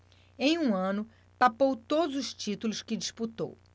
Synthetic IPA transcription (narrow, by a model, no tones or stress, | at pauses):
ẽj̃ũɐ̃nʊ | papowt̪od̪ʊzʊʃt͡ʃit̪ulʊskɪd͡ʒisput̪o̰w